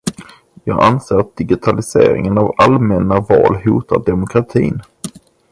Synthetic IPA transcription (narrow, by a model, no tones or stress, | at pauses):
jɑːɡanseːɾat̪̚d̪̥ɪɡɪt̪ʰalɪsḛːɾɪ̰ŋənavalmɛnːavɑːlɦuːt̪aɖɛmʊkʰɾat̪ʰiːn